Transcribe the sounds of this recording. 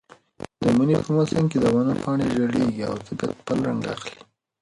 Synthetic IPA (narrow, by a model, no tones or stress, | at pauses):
d̪̥əmunepəmasəŋked̪əwanapɑɳeʒəɽeɡia̰wzəbajt̪̚pəlɾaŋɡa̰xli